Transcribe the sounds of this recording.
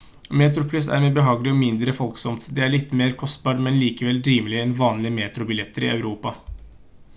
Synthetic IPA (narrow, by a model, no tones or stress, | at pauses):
meːt̪ɾʊpʰlʏsæ̰ɾmɛbəɦɑːɡlɪɔmɪnd̪ɾəfɔlksɔmt̪d̪ɛæɭɪt̪ːmeːɾkʰɔst̪̚bɑːʈmɛnliːkəʋɛlɾiːməlɪəɛnʋɑːnlɪəmeːt̪ɾʊbɪlɛt̪ʰːəɾɪ̰ɑʉɾuːpɑ